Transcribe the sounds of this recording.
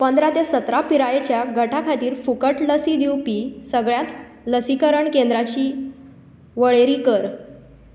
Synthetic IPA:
pənd̪ɾat̪esət̪ɾapiɾajet͡ɕjaɡʱəʈʰakʰat̪iːɾfukəʈləsiːd̪iwpiːsəɡɭjat̪ | ləsikəɾəɳkẽnd̪ɾat͡ɕiː | ʋəɭeɾiːkəɾ

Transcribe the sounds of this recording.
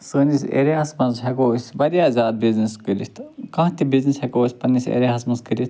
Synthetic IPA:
səːnisʲḛɾeasmɐzɦekoːsʲbɐɾjaːzʲaːd̪̚bizniskəlʲist̪ʰkɐ̃ɦt̪ibiznishekoːsʲpɐnːisʲḛɾʲeɦɐsmɐskəlʲist̪

